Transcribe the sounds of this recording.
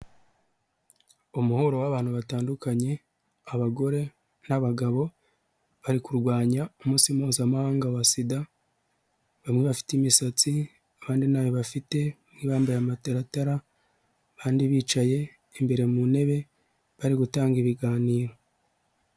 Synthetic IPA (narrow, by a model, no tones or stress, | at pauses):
omuho̞ɾo̞waβaːn̥huβataːndukaɲe̞ | aβaɡo̞ɾe̞ | naβaɡaβo̞ | βaɾikuɾɡwaːɲaomuːsimuːzamahaːŋɡawasida | βamŋeβafi̥timisat͡si | aβaːndinaːjoβafite̞ | mniβaːmbajamateɾataɾa | βaːndiβiːt͡ʃaje̞ː | mbe̞ɾe̞mune̞βe̞ | βaɾiɡutaːŋɡiβiɡaːniːɾo̞